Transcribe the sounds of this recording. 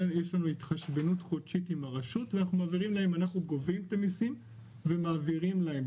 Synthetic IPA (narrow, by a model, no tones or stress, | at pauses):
jeʃlanuit̪χaʃbenutχodʃitimaʁaʃutveanaχnumaːviʁimlahe̞manaχnuɡovimt̪amisim | vemaːviʁimlaem